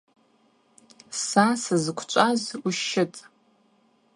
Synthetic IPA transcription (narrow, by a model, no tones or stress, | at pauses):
sasɨzɨkʷʰt͡ʃʷʼazuʃɪtʼ